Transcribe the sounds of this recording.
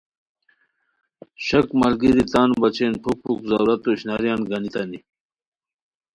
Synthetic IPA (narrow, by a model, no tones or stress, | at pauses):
ɕɐkmɐlɡiɾit̪aːnubɐt͡ɕeːnʈʰupʰːukzawɾɐt̪oɕnaɾjaːnɡɐnit̪ɐni